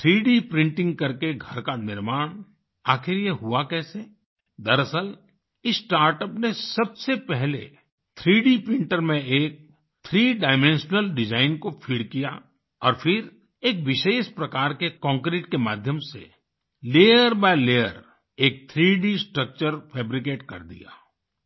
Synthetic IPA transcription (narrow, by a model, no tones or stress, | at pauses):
t̪ʰɾiːɖipɾɪ̃ɳʈɪ̃ŋɡ̚kɐɾkeɡʱɐɾkanɪɾmaːɽ̃ | aːxɪɾjeɦuakɛːse | d̪ɐɾəsəl | ɪsʈaːɾʈəpnesɐbsepɛɦlḛ | t̪ʰɾiːɖipɾɪ̃ɳʈəɾmẽeːk̚ | t̪ʰɾiːɖaːɪmẽnʃnəlɖɪd͡ʒaːɪnkofʰiːɽkija̰ | ɔːɾfʰɪɾ | eːkʋɪʃeːʃpɾɐkaːɾkekɔ̃ːŋkɾeːʈkemaːd̪ʱjəmsḛ | leːjəɾbajleːjəɾ | eːk̚t̪ʰɾiːɖisʈɾək̚t͡ʃəɾfʰɛːbɾɪk̬eːʈkɐ̰ɾd̪ḭja̰ː